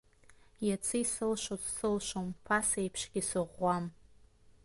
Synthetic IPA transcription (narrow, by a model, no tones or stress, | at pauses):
jat͡sʰɨjsɨlʃʷozsɨlʃʷompʰasejpʰʂɡʲisɨʁʷːam